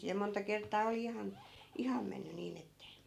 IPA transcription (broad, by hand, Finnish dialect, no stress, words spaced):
jɑ montɑ kertˑɑː oli ihɑn ihɑm menːy niːn etːe